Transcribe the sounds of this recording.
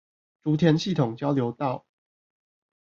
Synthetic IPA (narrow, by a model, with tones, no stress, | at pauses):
ʈ͡ʂu˨˥t̪ʰjɛ˨˧˥nɕi˥˩t̪ʰʊ˨˩ŋt͡ɕjɑ˥ʊljo˧˦ʊt̪ɑ˥˨ʊ